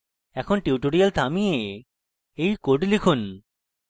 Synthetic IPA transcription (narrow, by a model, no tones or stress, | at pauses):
ɛkʰonʈiuʈoɽijalt̪ʰamie | ejkoɖlikʰun